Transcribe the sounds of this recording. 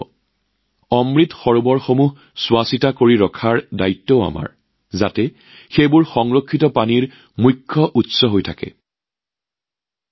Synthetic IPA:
ɔmɹitxɔɹubɔɹxomuh | swasitakoɹiɹɔkʰaɹdajtːɔʊa̰ma̰ɹ | zatɛ | xejbʊɹxɔŋɹokʰːitɔpaniɹ | mukʰːɔʔutsɔɦojtʰakɛ̰

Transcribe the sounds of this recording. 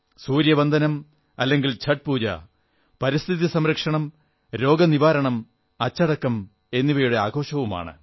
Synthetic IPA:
suːɾjɐbɐnd̪ʱɐnɐm | ɐlːe̞ŋɡilt͡ɕʰɐʈ̚puːd͡ʑɐ̰ | pɐɾist̪ʰiðisɐmɾɐkʂɐɳɐm | ɾo̞ːɡɐniʋaːɾɐɳɐm | ɐt͡ɕːɐɽɐkːɐm | e̞nːiʋɐjuɽe̞aːɡʱo̞ːʂɐʋuma̰ːɳɨ̰

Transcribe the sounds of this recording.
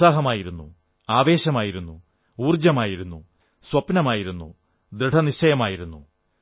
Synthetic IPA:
aːɦɐmaːjiɾunːṵ | aːʋe̞ːɕɐmaːjiɾunːu | uːrd͡ʑɐmaːjiɾunːu | swɐpnɐmaːjiɾunːṵ | d̪ɾiɖʰʱɐniɕɐjɐmaːjiɾunːṵ

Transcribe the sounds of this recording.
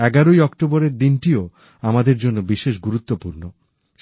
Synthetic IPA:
ɛɡaɾoijɔkʈoboɾeɾd̪inʈio | amad̪eɾd͡ʑonːobiʃeʃɡuɾut̪ːopuɾno | ʃ

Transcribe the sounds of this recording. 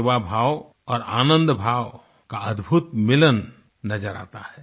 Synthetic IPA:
ʋabʱaːw | ɔːɾaːnə̃nd̪bʱaːw | kaɐd̪bʱut̪mɪlənː | ɐd͡ʒəɾa̰ːt̪a̰hɛː

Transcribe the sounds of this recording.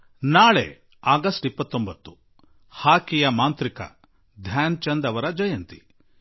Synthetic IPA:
naːɭḛ | aːɡɐsʈipːɐt̪ːombɐt̪ːu̥ | haːkijɐmaːnt̪ɾikɐ̰ | d̪ʱjaːnt͡ʃɐnd̪ɐʋɐɾɐd͡ʒɐjɐnt̪i̥

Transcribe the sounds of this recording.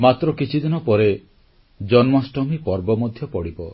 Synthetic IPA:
mat̪ɾɔkit͡ʃʰid̪inɔpɔɾe | d͡ʒɔnmɔsʈɔmipɔɾbɔmɔd̪ʱjɔpɔɽibɔ

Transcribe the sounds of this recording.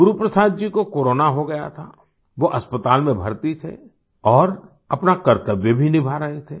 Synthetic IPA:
ɡʊɾupɾəsaːd̪̚d͡ʒikokoːɾoːnaɦoɡɐja̰t̪ʰa̰ | ʋoʔɐspət̪aːlmẽbʱɐɾt̪it̪ʰḛ | ɔːɾ | ɐpnakɐɾt̪əʋjəbʱinɪbʱaɾɐɦet̪ʰeː

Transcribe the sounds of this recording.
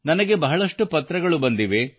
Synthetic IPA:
nɐnɐɡe̞bɐɦɐɭɐʂʈupɐt̪ːɾɐɡɐɭubɐnd̪iʋe̞

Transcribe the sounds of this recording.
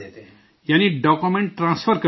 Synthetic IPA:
janiɖɔkumeɳʈʈːrãnspʰʌrkʌ

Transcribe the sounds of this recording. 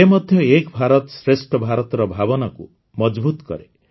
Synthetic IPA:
emɔd̪ʱjɔekbʱaɾɔt̪sɾesʈɔbʱaɾɔt̪ɔɾɔbʱabɔnakṵ | mɔd͡ʒbut̪ɔkɔ̰ɾe

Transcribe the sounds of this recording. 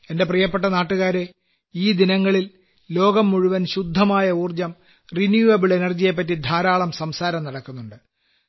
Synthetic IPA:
e̞nde̞prijɐpːeʈ̬ːɐnaːʈːuɣaːɾe̞ | iːd̪inɐŋːɐɭil | lo̞ːɡɐmːuɻuʋɐnɕud̪ʱːɐmaːjɐuːrd͡ʑɐm | rinjuɐbiɭe̞nɐrd͡ʑije̞p̬ːɐtːid̪ʱaːɾaːɭɐmsɐmsaːɾɐmnɐɽɐkːunːuɳɖɨ

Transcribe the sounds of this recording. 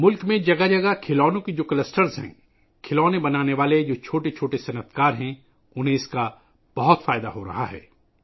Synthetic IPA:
mʊlkmẽd͡ʒɐɡad͡ʒɐɡakʰɪlɔːnõkid͡ʒoːkɐlɐsʈəɾzɦɛ̰̃ː | kʰɪlɔːnebɐnaːneʋaːled͡ʒoːt͡ʃʰoːʈet͡ʃʰoːʈesɐnət̪ʰkaːɾɦɛ̃ | ʊnɦẽɪska | b̥ɐɦɔt̪faːjd̪aɦoɾɐ̰ɦa̰ɦɛ̰ː

